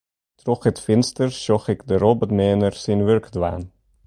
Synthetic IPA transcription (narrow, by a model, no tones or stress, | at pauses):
trɔχɦətfɪnstərʃɔχɪkdəɾɔbətmɛːnərsinʋørkdwa̰ːn